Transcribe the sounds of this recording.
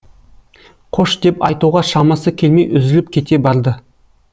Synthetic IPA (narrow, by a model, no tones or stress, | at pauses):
qʰo̞ʃd̪̥e̞pɑjt̪uʁɑʃɑmɑsəkʲʰe̞lme̞jʏzɪlɪp̚kʲʰe̞t̪e̞bɑɾd̪ə